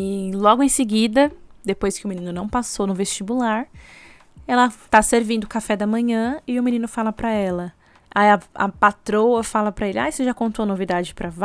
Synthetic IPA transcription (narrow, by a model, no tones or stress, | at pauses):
lɔɡʊẽj̃seɡid̪ɐd̪epojskɪʊmĩnĩnʊnɐ̃w̃pasonʊvest͡ʃibulaɾ | ɛlɐt̪aseɾvĩnd̪ʊkafɛd̪ɐmɐ̃ɲɐ̃ɪʊmĩnĩnʊfalɐpɾɐɛlɐ | ajɐɐ̰pat̪ɾowɐfalɐpɾɐelɪa̰jseʒakõnt̪oɐnovid̪ad͡ʒɪpɾɐv